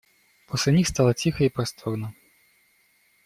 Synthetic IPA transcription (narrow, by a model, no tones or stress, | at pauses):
pʰɔsʲlʲɛnʲixst̪alˠɐt͡sʲixɐipɾɐst̪ʰɔrnɐ